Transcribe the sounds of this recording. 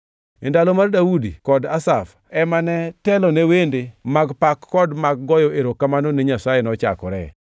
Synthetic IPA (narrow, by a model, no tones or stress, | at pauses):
endalomardawudikɔdasaf | ɛmanɛtɛlɔnewendemaɡpakːɔdmaɡ̚ɡɔjɔʔeɾokamanoneɲasajenɔt͡ʃa̰kɔɾɛ̰